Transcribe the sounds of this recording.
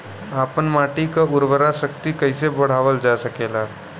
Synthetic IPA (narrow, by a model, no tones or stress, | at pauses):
aːpənmaːʈikaʊɾʋəɾaʃəkt̪ikɐɪsebɐɽ̤aːʋəld͡ʒaːsəkeːlaː